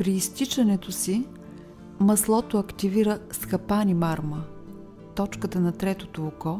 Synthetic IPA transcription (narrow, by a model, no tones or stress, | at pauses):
pɾiːst̪it͡ʃɐnɛt̪osi | mɐslˠɔt̪oɐkt̪iviɾəsxɐpanimaɾmə | t̪ɔt͡ʃkət̪ənɐt̪ɾɛt̪ot̪oːkɔ